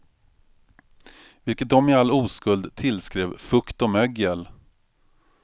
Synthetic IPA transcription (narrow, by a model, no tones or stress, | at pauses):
vɪlkət̪̚d̪ɔmɪalːuːskɵld̪t̪ʰɪlskɾeːvfɵkt̪ɔmœɡjəl